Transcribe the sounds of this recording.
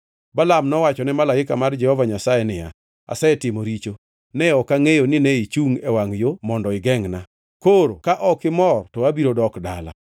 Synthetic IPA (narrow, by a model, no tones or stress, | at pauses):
balamnɔwat͡ʃɔnɛmalaɪkamard͡ʒɛhɔvaɲasajenɪja̰ | a̰sɛɛtɪmoɾit͡ʃo | nɛɔkaŋejonɪnɛit͡ʃuŋɛwaŋjomɔndɔɪɡɛŋna | koɾokaʔɔkɪmɔrtɔabiɾodɔkdala̰